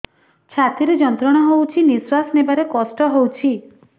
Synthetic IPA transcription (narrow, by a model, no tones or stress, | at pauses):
t͡ʃʰat̪iɾed͡ʒɔnt̪ɾɔɽ̃ɔɦowt͡ʃʰinisɾasnebaɾekɔsʈɔɦowt͡ʃʰi